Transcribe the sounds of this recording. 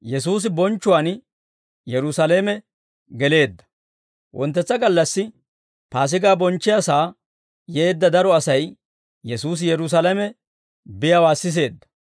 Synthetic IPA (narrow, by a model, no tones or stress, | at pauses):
jɛsuːs̬ɪbɔnt͡ʃːʊwaːn | jɛɾʊsɐleːmɛ | ɡɛle̞ːd̪ːɐ̥ | wʔɔ̰nt̪ːɛt͡sːɐɡɐlːɐsːɪ | paːs̬ɪɡaːbɔnt͡ʃːɪjasaː | je̞ːd̪ːɐd̪ɐɾɔɐsɐj | jɛsuːs̬ɪjɛɾʊs̬ɐlɐmɛ | bɪjɐwaːsːɪs̬e̞ːd̪ːɐ̥